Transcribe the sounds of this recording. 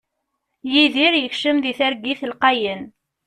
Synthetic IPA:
jiðiɾjəçʃəmðiθæɾɡiθəlqɑjən

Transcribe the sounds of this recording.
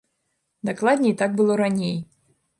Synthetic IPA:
d̪aklˠad̪ʲnʲɛit̪aɡ̚bɨlˠɔɾanʲej

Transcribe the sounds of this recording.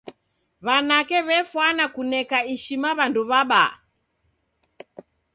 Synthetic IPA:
βanakɛβɛfwanakunɛkaiʃimaβanduβaɓa̰

